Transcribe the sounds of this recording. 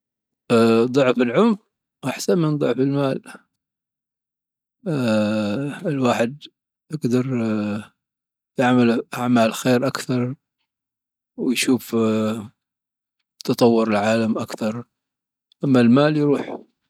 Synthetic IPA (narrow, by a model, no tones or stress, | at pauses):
ðˤʊʕfɪlʕʊmf | ʔaħsanmɪnd̪ˤʊʕfɪlmaːl | ɪlwaːħɪd̪ | ʔɪɡd̪ɑɾˤ | t̪aʕmalʔaʕmaːlxeːɾʔakθɑɾˤ | wɪjʃuːf | t̪ɑt̪ˤɑwːʊɾɪlʕaːlamʔakθɑɾˤ | ʔamːalmaːljɾuːħ